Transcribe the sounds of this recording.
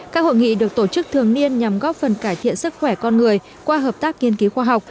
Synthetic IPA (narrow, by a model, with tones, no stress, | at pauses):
kaː˦˥k̚ho̰˧˨jŋḭ˧˨ɗɨ˨˩ək̚t̪o˧˩t͡ɕɨ˦˥k̚t̪ʰɨ˨˩əŋni˧ənɲa˨˩mɣɔ˦˥p̚fə˨˩nkaː˧˩jt̪ʰḭ˧˨ənsɨ˦˥k̚xwɛ˧˩kɔ˧nŋɨ˨˩əj | kwaː˧ɦəː˨˩p̚t̪aː˦˥k̚ŋi˧ənki˨˦xwaː˧ɦa˨˩wk͡p̚